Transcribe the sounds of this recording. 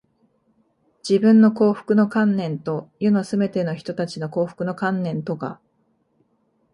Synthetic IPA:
d͡ʑibɯ̟̃nːo̞ko̞ːɸɯ̟̥kɯ̟no̞kãnːẽ̞nt̪o̞jonosɨbe̞t̪e̞no̞çi̥t̪o̞t̪at͡ɕino̞ko̞ːɸɯ̟̥kɯ̟no̞kãnːẽ̞nt̪o̞ɡa̰

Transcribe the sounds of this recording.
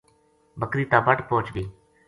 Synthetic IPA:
bəkɾiːt̪ãːbəʈpoːt͡ʃbiː

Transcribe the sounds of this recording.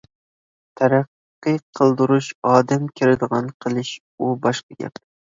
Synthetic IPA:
t̪ʰæɾɑqːɨqʰəlˠd̪ɨɾuʃɑːd̪amkʲʰɪɾɪd̪ɨʁɑnqʰəlˠɪʃ | ubɑʃqɑɡʲɛ̰p

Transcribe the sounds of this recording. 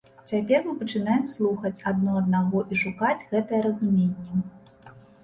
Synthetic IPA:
t͡sʲapʲɛrmɨpɐt͡ʂɨnajɛmslˠuxɐt͡sʲad̪̚nɔɐd̪naɣɔʔiʂukad͡zʲɣɛt̪ɐjɛɾɐzumʲenʲːɛ

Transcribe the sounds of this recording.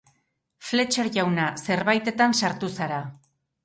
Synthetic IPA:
fle̞t͡ʃeɾʝawnase̞ɾβajt̪e̞t̪ansaɾt̪usaɾa

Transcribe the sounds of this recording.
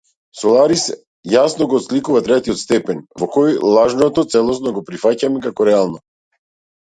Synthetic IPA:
sɔlˠaɾis | jasnɔɡɔːt̪slikuvat̪ɾɛt̪iɔt̪st̪ɛpɛnvɔkɔjlˠaʒnɔt̪ɔt̪sɛlˠɔsnɔɡɔpɾifacamɛkakɔɾɛalˠnɔ

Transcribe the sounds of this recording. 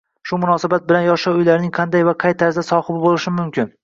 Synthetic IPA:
ʃʊmʊnɒsabat̪̚bɪlanjɒʃawʊjlaɾnɪŋqʰɑnd̪ajvaqʰɑjt̪ʰaɾzasɒhɨbɪbolɪʃɪmʊmkʲʰɪn

